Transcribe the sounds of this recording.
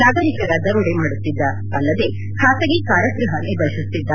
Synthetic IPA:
naːɡɐɾikɐɾɐd̪ɐɾuɽemaːɽut̪ːid̪ːɐ | ɐlːɐd̪e̞ | kʰaːsɐɡikaːɾɐkɾɐɦɐnid̪ɐʃust̪ːid̪ːɐ

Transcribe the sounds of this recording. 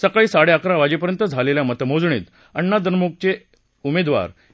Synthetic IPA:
səkaiːsaɽeakɾaʋad͡ʑep̬əɾjənt̪əd͡zʱaleljamət̪əmod͡zɳḭːt̪ | əɳːad̪ənmuk̚t͡ɕe | umed̪ʋa̰ɾ

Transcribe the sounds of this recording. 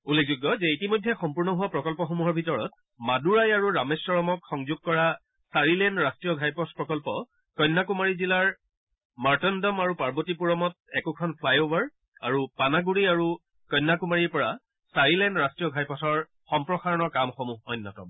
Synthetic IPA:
ulek̚ʰzuɡɔzɛitimɔjdʱːɛxɔmpuɹnɔɦʊwapɹɔkɔlpɔxomuɦɔɹbʱitɔɹɔ̰t | maduɹajaɹuɹamesːɔɹɔmɔkxɔŋzuɡ̚kɔɹa | saɹilɛndɹastɹijɔɡʱajpɔspɹɔkɔlpɔ | kɔjnːakumaɹizilaɹ | maɹtɔndɔmaɹupaɹbotipuɹɔmɔt̚ɛkukʰɔnpʰlajovaɹ | aɹupanaɡuɹiaɹu | kɔjnːakumaɹiɹpɔɹa | saɹilɛndɹastɹijɔɡʱajpɔsɔɹ | xɔmpɹɔxaɹɔnɔɹkamxɔmuɦɔjnːatɔ̰m

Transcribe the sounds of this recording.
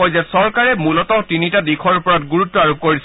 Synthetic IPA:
ɔjzasɔɹkaɹɛmulɔtɔtinitadikʰɔɹupɔɹatɡuɹutːɔaɹup̚koɹis

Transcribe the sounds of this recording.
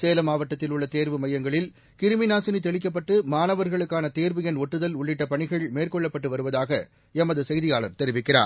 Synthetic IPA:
seːlɐmaːʋɐʈːɐt̪ːɪlʊɭːɐt̪eːɾʋɯmɐjːɐŋɡɐɭɪl | kɪɾɯmɪnaːsɪnit̪ɛɭɪk̬ːɐp̬ːɐʈːɯmaːnɐʋɐɾɣɐɭɯkːaːnɐt̪eːɾʋɯjɐnɔʈːɯðɐlʊɭːɪʈːɐpɐɳɪɣɐɭmeːrkɔɭːɐpːɐʈːɯʋɐɾɯʋɐðaːɣɐ | ɛmɐðɯsɐjðɪjaːɭɐ̰ɾt̪ɛɾɪʋɪkːɪra̰ːɾ

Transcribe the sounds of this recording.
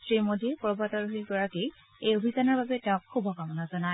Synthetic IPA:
sɹimodiɛpɹbataɹuɦiɡɔɹake | ejobʱizanɔɹbabɛtɛʊ̃kxubʱɔkamɔnazɔnaj

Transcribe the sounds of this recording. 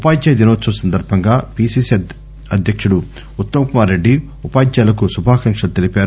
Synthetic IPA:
upaːɡjajd̪inɐʋɐtːsɐmɐsɐnd̪ɐɾbʱɐŋɡaːpiːsiːs | ɐd̪ʱjɐkʂuɽu | ut̪ːɐmɐkumaːɾɾe̞ɖːi | upaːɡjaːlɐk̬usubʱaːkɐŋkʂɐt̪elipaːɾu

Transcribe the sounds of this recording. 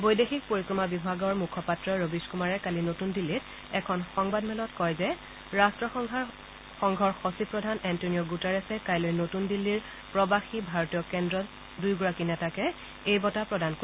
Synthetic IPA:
bojdexik̚poɹikɹɔmabibʱaɡɔɹmukʰɔpatɹɔɹobiskumaɹɛkalinotundilːit | ɛkʰɔnxɔŋbadmɛlɔtkɔjzɛ | ɹastɹɔɔ | xɔŋɡʱɔɹxosipɹɔdʱanɛntonijɔɡutɛɹɛsɛkajlojnotundilːiɹ | pɹɔbaxibʱaɹotijɔkɛndɹɔt | dujɡɔɹakinɛtakɛ | ejbɔtapɹɔdanko

